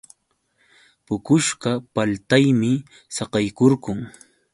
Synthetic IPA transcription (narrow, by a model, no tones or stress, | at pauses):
pʊkʊʃɢɑpalt̪ajmɪ | sɑqɑjkoɾɢʊŋ